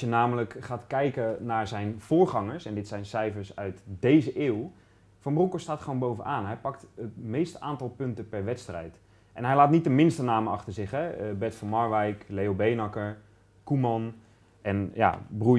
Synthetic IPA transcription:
jənaːmələkχaːtkɛjkənaːɹzɛjnv̥ʊːɹχɑŋəɹsɛndɪtsɛjnsɛjfəɹsœɥtdejzəʔeːw | fɑmbrukostaːtχəʋonbowvənʔaːnɦɛjpɑk̚tətmejstəaːntɑlˠpɵntəpɛɹʋɛtstrɛ̰jt | ʔɛnɦɛjlaːtnitəmɪnstənaːməɑχtəɹzɪχɦɛbɛtfɑnmɑɹʋɛjklejobejnɑkəɹ | kumɑn | ʔɛnja̰bru

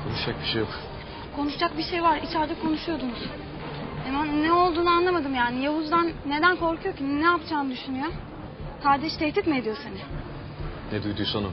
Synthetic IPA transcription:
kʰonuʃd͡ʒak̚biʃejok | kʰo̞nuʃd͡ʒak̚biʃe̞jvaɾit͡ʃʰæɾd̪ɛkʰo̞nuʃujo̞d̪unuz̥ | emannɛo̞lˠd̪uːnuanlˠamad̪ɯmjaːnijaɦuzd̪anːe̞d̪ænkʰo̞ɾkʰujo̞cʰinnɛapt͡ʃʰaːnɯd̪yʃynyjo | kʰaɾd̪ɛʃt̪ʰɛht̪it̪mied̪ijo̞senɪ | nɛd̪ujd̪ujsanu

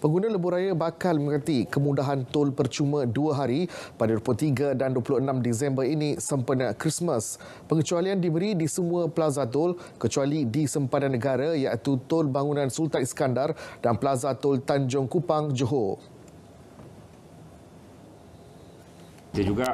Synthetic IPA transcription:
pəŋɡunãləbuɾajabakaldimokat̪ikəmudaɦant̪ʊlpərt͡ʃumə̃duaɦaɾipadaɾuput̪iɡadanduəpuluənãmdis̬ɛmbəɾinĩsəmpənakɾismə̃s | pəŋət͡ʃualiandibəɾidisəmũãpəlazat̪̬ʊl | kət͡ʃualidisəmpat̪anːəɡaɾajaʔit̪ut̪ʊlbaŋunãnsult̪anskandardanpəlazat̪ʊlt̪aɲd͡ʒʊŋkupaŋd͡ʒoɦo | diad͡ʒuɡa

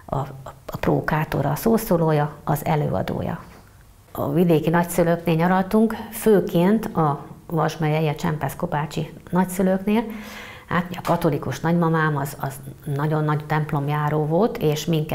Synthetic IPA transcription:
ɒ̰pro̰ːkaːt̪o̰ɾɒsoːsoːloːjɒɒzɛ̰lø̰ːɒ̰d̪o̰ːjɒ̰ | ɒ̰vid̪eːkinɒcsyløkneːlɲɒɾɒlt̪uŋkføːkeːnt̪ɒvɒʒmɛjɛjiɛt͡ʃɛ̰mpɛsko̞baːt͡ʃinɒcsyløkneːl | ha̰ːt̪moɟɒkɒt̪o̞likuʃnɒɟmɒmaːmɒzɒznɒɟo̞nːɒɟt̪ɛmplo̞mjaːɾoːvo̞lt̪ʰeːʃmiŋkɛ

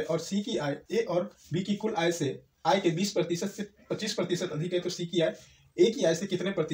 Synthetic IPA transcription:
ʔɔːɾsikiaːeeʔɔːɾbiːkikʊlaːjse | aːjkebiːspɾət̪iʃət̪sepɐt͡ʃiːspɾɐt̪iʃət̪ɐd̪ʱɪkat̪oɾsikiaːe | eːkiaːjsekɪt̪nepɾət̪ɪ

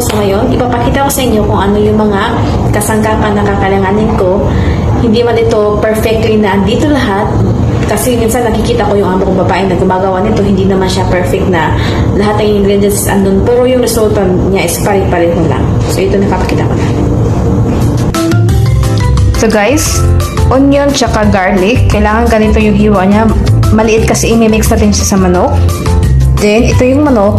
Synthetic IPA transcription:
sŋɐjo̞nʔɪpapɐkiːt̪ɐko̞sɐʔɪɲːo̞kʊŋʔɐno̞jʊŋmɐŋa | kɐsɐŋkaːpɐnːɐkakɐlɐŋaːnɪnko̞ | hɪnd̪inɐmanɪt̪o̞pɛɹfɛk̚t̪nɐʔɐnd̪iːt̪o̞lɐɦat̪̚ | kɐsɛminsɐnːɐkɪkiːt̪ɐko̞jʊŋʔaːbokʊŋbɐbaːʔɪnːɐɡʊmaːɡɐwanɪt̪o̞hɪnd̪inɐmanʃapɛɹfɛk̚t̪̚nɐ | lɐɦat̪nɐŋʔɪɪŋɡɾid͡ʒɐnssʔɐ̰nd̪onpɛɾo̞jʊŋɾɛsult̪ɐ | ɲaʔɪspaɾɪd̪̚pɐɾɪnholɐ̰ŋ | soʔɛt̪onɐɡ̚paːpɐ̥kiːt̪ɐkona̰ːmɛn | soɡajs | ʔonjont͡ʃɐkaɡaɹlikɐjlaːŋɐŋɡɐnɪt̪o̞jʊŋɦiːwɐʔɲamɐlɪʔɪt̪̚kɐsɛʔɪmɛmɛkst̪ɐt̪ɪnʃasɐmɐnok̚ | d̪ɛnʔɪt̪ojʊŋmɐnok̚

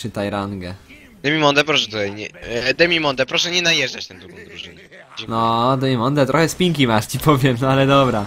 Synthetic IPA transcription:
ɘt̪ajɾaŋɡɛ | d̪ɛmʲimɔnd̪ɛpɾɔʂɛt̪ut̪ajɲɛd̪ɛmʲimɔnd̪ɛpɾɔʂɛɲɛnajɛʐdat͡ɕt̪ɛ̃w̃d̪ɾuɡɔ̃w̃d̪ɾuʐɨnɛ | d͡ʑnɔd̪ɛmʲimɔnd̪ɛt̪ɾɔxɛspʲiŋk̬ʲimaʂt͡ɕipʰɔvʲjɛmnɔalɛd̪ɔbɾa

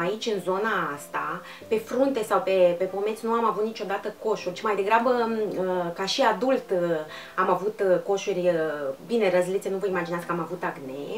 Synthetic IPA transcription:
ait͡ʃʲɨnzo̞naast̪a̰ | pe̞fɾunt̪e̞sawpe̞pe̞po̞me̞t̪sʲnuamavut̪nit͡ʃo̞d̪at̪əko̞ʃurʲt͡ʃimajd̪e̞ɡɾabəəkaʃiad̪ult̪ | amavut̪ko̞ʃurʲbine̞rəzlit̪senuvəimad͡ʒinat̪kəamavut̪aɡne̞̰

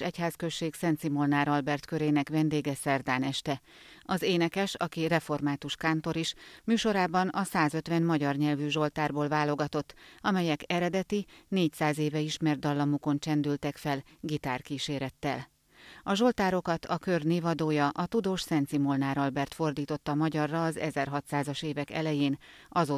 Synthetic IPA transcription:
ɛchaːskøʃːeːksɛnt̪simo̞lnaːɾɒlbɛrt̪kø̞ɾeːnɛkvɛnd̪eːɡɛsɛrd̪aːnɛʃt̪ɛɒzeːnɛkɛʃɒkirɛfo̞rmaːt̪uʃkaːnt̪o̞ɾiʃmyːʃo̞ɾaːbɒnɒsaːzø̞t̪ʋɛnmɒɟɒrɲɛlvyʒo̞lt̪aːrboːlvaːlo̞ɡɒt̪o̞t̪ːɒmɛjɛkɛɾɛd̪ɛt̪ineːcsaːzeːvɛiʃmɛrd̪ɒlːɒmuko̞nt͡ʃɛnd̪ylt̪ɛkfɛlɡit̪aːrkiʃeːɾɛt̪ːɛ̰l | ɒʒo̞lt̪aːɾo̞kɒt̪ʰɒkø̞rneːvɒd̪oːjɒʔɒt̪ud̪oːʃsɛnt̪simolnaːɾɒlbɛrt̪fo̞rd̪iːt̪o̞t̪ːɒmɒɟɒrːɒːzɛ̰zɛrɦɒt̪saːzɒʃeːvɛkɛ̰lɛjeːn | ɒzoː

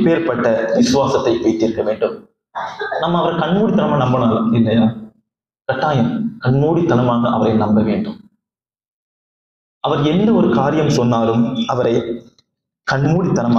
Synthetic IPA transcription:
peːɐɾpɐʈːɐʋɪsɯʋaːsɐt̪ːɐɪpːɔɪt̪ːɪɾɯkːɐʋeːɳɖɯm | nɐmːɐːʋɐɾɐkɐɳmuːɽit̪ːɐnɐmaːnɐmbɐnaːlɐɪllɐjaː | kɐʈːaːjɐmkɐɳmuːɽit̪ːɐnɐmaːɣɐʔɐ̰ʋɐɾɐɪnɐmbɐʋḛːɳɖɯm | ɐʋɐɾɛnd̪ɐɔɾɯkaːɾɪjɐmsɔnːaːlɯmɐʋɐɾɐɪ | kɐɳmuːɽit̪ːɐnɐm

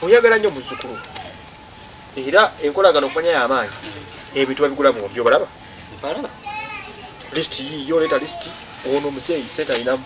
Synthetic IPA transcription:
mujaɡalaɲomuzːukulu | liiɾae̞ŋko̞laɡano̞kumaɲajaːmaːɲi | emituβaβiɡulamuoβjoβalaβa | listijijo̞ːletalisi̥ti | oɣono̞ːmuse̞ːjise̞ːntajinamu

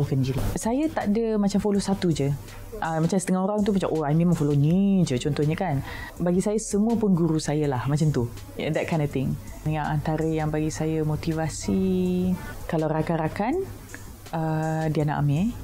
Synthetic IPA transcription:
kand͡ʒiɾisajət̪aʔdəmat͡ʃamfolosat̪ud͡ʒə | ʔəmat͡ʃamsə̥t̪əŋaɦoɾaŋt̪umat͡ʃa̰mʔoajmĩnmaŋfolonid͡ʒət͡ʃɔnt̪ɔhɲəkanbaɡisajasəmũəpʊnɡuɾusajəlahmat͡ʃamt̪ṵ | d̪ɛt̚kʰaj̃ndɔft̪ɪŋ | nəŋaʔant̪aɾəjaŋbaɡisajəmot̪ivasi | kalaɾakaɾakan | ədiana̰ʔamẽ

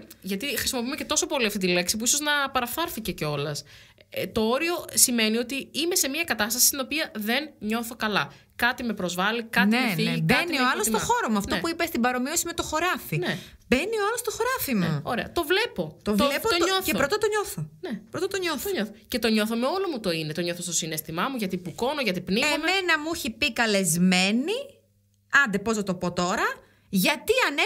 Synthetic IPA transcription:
ʝɐt̪ixɾisimo̞piumece̞t̪o̞so̞po̞liɐft̪it̪ile̞ksipuisoznɐpɐɾɐfθɐɾfice̞ceo̞lɐst̪o̞o̞ɾio̞sime̞nio̞t̪iime̞se̞miɐkɐt̪ɐst̪ɐsi̥st̪ino̞piɐðe̞nɲo̞θo̞kɐlɐ | kɐt̪ime̞pɾo̞zvɐlikɐt̪emefiʝikbɐnioɐlost̪oxoɾomuɐft̪opuipɐst̪ibɐɾo̞miosime̞t̪oxo̞ɾɐfinebe̞nioɐlost̪oxoɾɐfimuoɾeɐ̰t̪ovlepot̪ovlepot̪oθepɾot̪ɐt̪oɲo̞θonepɾot̪ɐt̪oɲoθoɲoθoce̞t̪o̞ɲo̞θomeo̞lomut̪o̞inet̪oɲoθost̪osinest̪imɐmuʝɐt̪ipuko̞noʝɐt̪ipniemme̞nɐmuçipikɐle̞zme̞ni | ɐnd̪e̞po̞zðɐt̪opo̞t̪o̞ɾɐ | ʝɐt̪iɐne

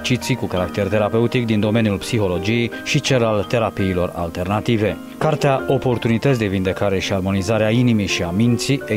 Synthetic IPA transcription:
t͡ʃit̪sikukaɾakt̪e̞rt̪e̞ɾape̞ut̪ikd̪ind̪o̞me̞njulpsixo̞lo̞d͡ʒije̞jʃit͡ʃelalt̪e̞ɾapiːlo̞ra̰lt̪e̞rnat̪ive̞ | kart̪eaʔo̞po̞rt̪unit̪ət̪sʲd̪e̞vind̪e̞kaɾe̞ʃiarmo̞nizaɾeainimiʃiamint̪sie

